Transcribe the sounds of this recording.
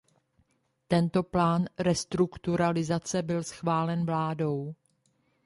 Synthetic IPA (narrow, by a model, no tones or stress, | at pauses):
t̪ɛnt̪o̞plaːnɾɛst̪ɾukt̪uɾalɪzat͡sɛbɪlsxvaːlɛnvlaːdow